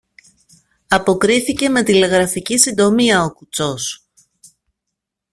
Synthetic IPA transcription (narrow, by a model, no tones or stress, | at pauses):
ɐpo̞kɾiθice̞me̞t̪ile̞ɣɾɐficisind̪o̞miɐo̞kut͡so̞s